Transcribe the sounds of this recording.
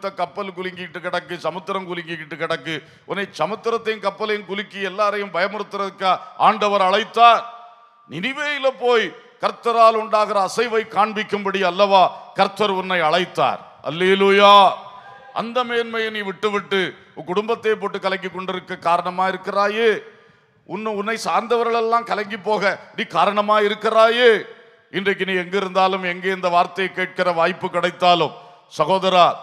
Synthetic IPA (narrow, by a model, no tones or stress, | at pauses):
t̪ːɐkɐpːɐlkʊlɪŋɡɪkɪʈːɯkːɪɽɐkːɯt͡ʃɐmɐt̪ːɯɾɐmkʊlɪŋɡɪkɪʈːɯkːɪɽɐkːɯ | ɔnːɐɪt͡ʃɐmɐt̪ːɯɾɐt̪ːɐjnkɐpːɐlɐjnkʊlɪkːiɛlːaːɾɐjɯmbɐjɐmɯɾɯt̪ːɪɾɐɯkːaʔaːɳɖɐʋɐɾɐɭɐɪt̪ːaːɾ | nɪnɪʋeːjɪlɐpoːjkɐɾt̪ːɐɾaːlʊɳɖaːɣɪɾɐːsɐɪʋɐɪkaːɳbɪkːɯmbɐɽɪjɐlːɐʋaːkɐɾt̪ːɐɾɔnːɐɪɐɭɐɪt̪ːa̰ːɾhɐ̰lːeːluːjaː | ʔɐ̰nd̪ɐmeːnmɐjɐniːʋɪʈːɯʋɪʈːɯ | kʊɽʊmbɐt̪ːeːp̬oːʈːɯkːɐlɐŋɡɪkːɔɳɖɪɾɯkːɐkaːɾɐɳɐmaːɪɾɯkːɪraːjeː | ʊnːɯʊnːɐɪsaːɾnd̪ɐʋɐɾɣɐɭɛlːãːmkɐlɐŋɡipːoːɣɐniːkaːɾɐɳɐmaːɪɾɯkːɪraːjeː | ɪndrɐk̬ːɯniːɛŋɡɪɾɯnd̪aːlɯmɛŋɡeːɪnd̪ɐʋaːɾt̪ːɐjɐkːeːʈ̚kɪrɐʋaːjpːɯkːɪɽɐɪt̪ːaːlɯm | sɐɣoːðɐɾaː